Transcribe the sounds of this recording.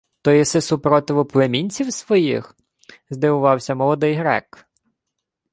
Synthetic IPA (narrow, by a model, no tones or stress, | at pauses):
t̪ɔjisɪsupɾɔt̪ɪʋʊplˠemʲinʲt͡sʲiwsʋɔjḭx | zd̪ɪʋʊʋɑwsʲɐmɔlˠɔd̪ɪjɦɾɛ̰k